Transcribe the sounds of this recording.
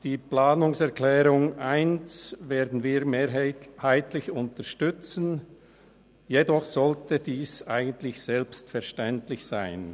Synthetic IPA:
d̥iːplaːnʊŋsɛɐklɛːʁʊŋʔaɪnt͡sveːɐdn̩viːʁmeːhaɪtlɪçʊntəʃtʏt͡sn̩ | jedɔχsɔltədiːsaɪɡəntlɪçsɛlpstfɛɐʃtɛntlɪçsaɪn

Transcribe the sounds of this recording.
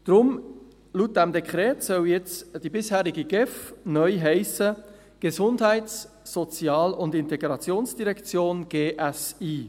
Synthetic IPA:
d̥ɾʊm | lut̚d̥ɛmdɛkχɾɛːtsœljɛt͡sd̥ibɪshæːɾiɡiɡ̥ɛfnœʏɦɛɪsə | ɡ̥əzʊndɦɛɪtsː | ɔt͡sjɑːlʊndɪnteɡɾɑt͡sjoːnsd̥iɾɛkt͡sjoːnɡ̥eːʔɛsiː

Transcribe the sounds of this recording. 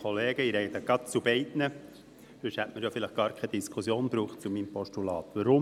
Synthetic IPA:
ɔleːɡ̥əiɾɛɪd̪əɡ̥ɑt̪t͡sub̥ɛɪtnə | føʃhɛtməɾjɔfɪlɪχɡ̥ɑːɾkʰɛd̪iskʰusjoːnb̥ɾuːχt̚t͡sumiːmpɔʃtulɑːt̪ʋəɾʊm

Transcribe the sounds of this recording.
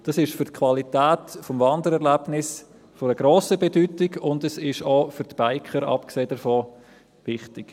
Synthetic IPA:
d̥ɑsɪʃfʏɾtkʰvɑlitɛːtfɔmvɑndəɾɛɾlæbnɪs | fɔɾəɡ̥ɾoːsəbedytɪɡʊndɛsɪʃoːfʏɾtb̥aɪkʰχəɾɑ̰pkseːd̥əfoː | vɪχtɪɡ̥

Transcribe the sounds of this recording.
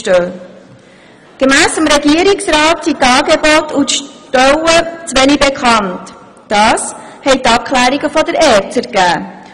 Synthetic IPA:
tøː | ɡ̥əmæːsəmɾɛɡiəɾiksɾɑːtsitɑːɡebɔtutʃtœwət͡sʋɛnibekʰχɑnt | d̥ɑːs | hɛjtɑp̚kʰlæːɾiɡəfɔdəɾɛːɾtsəɾɡ̥æː

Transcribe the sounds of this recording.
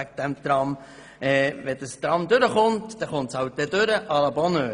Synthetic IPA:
æk̚d̥̪ɛmt̪ɾɑm | ɛːvɛd̥əst̪ɾɑmd̪ʏɾəχʊntd̥ɛχʊntshɑwt̚d̥ɛdøɾəʔɑlɑbɔnøː

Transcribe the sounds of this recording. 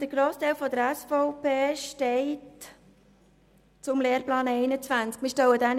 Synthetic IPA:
d̥əɾɡ̥ɾoːst̪ʰɛɪlfɔd̪əɾɛsfɔʊpeːʃtɛɪt | t͡sʊmleːɾplɑːnɛɪnət͡svænt͡skmiːʃtɔwədɛn

